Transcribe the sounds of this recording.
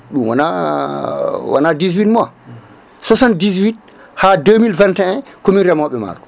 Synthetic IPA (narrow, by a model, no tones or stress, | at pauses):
ɗumwana | wa̰nadizwitma | sɔsandizwit̚ | hademilvɛ̃ntɛɛnkominɾɛmɔɓɛma̰ɾkɔ̥